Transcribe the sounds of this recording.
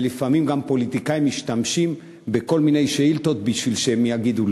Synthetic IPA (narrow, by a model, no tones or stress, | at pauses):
lifamimɡampo̞lit̪ikaimːiʃt̪amʃim | beko̞lmine̞jʃeilt̪o̞t̪̚biʃvilʃehemjaɡid̪ul